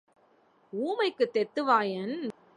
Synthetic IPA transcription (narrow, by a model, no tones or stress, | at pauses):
uːmɐɪkːɯt̪ːɛt̪ːɯʋaːjɐn